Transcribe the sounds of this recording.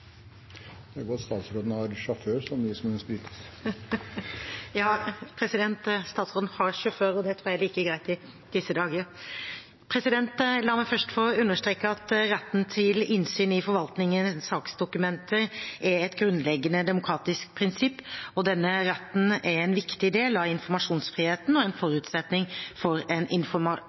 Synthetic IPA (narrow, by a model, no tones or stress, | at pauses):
d̪̥ɛæɡɔɑt̪st̪ɑːt̪sɾoːd̪n̩ɑɾʂɑføːsɔmd̪ɪsɔmʉnspɾiːt̪ə̥s | jɑːpʰɾɛsɪd̪ɛnt̪st̪ɑːt̪sɾoːd̪n̩hɑɾʃʉføːɾɔd̪ɛt̪ʰɾuːɾjæɛliːkəɡɾæɪt̪ɪ | d̪̥ɪsːəd̪ɑːɡəə | pʰɾɛsɪd̪ɛnt̪lɑːɾmæɪfœʂʈfɔɾɔʉnːəʂt̪ɾeːkəɑt̪ɾɛt̪ːn̩t̪ʰɪlɪnsyːnɪfɔɾʋɑlt̪nɪŋənsɑːksd̪ʊkʉmɛnt̪ʰəɾʔɛɛt̪ɡɾʉnlɛɡːənəd̪ɛmʊkʰɾɑːt̪ɪsk̚pʰɾɪnsɪpːɔd̪ɛnːəɾɛt̪ːn̩ɛɾɛɪnʋɪkt̪ɪd̪eːlɑʋɪnfɔɾmɑʂuːnsfɾiːheːt̪n̩ɔɛnfɔɾʉːt̪sɛt̪nɪŋfɔɾɛnʔɪnfɔmɑ